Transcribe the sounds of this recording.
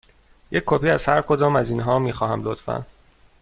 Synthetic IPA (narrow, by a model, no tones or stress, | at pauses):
jecʰːopʰiːæz̥hæɾkʰod̪ɒːmæziːnɦɒːmiːxɒːhæmlot̪fæ̰n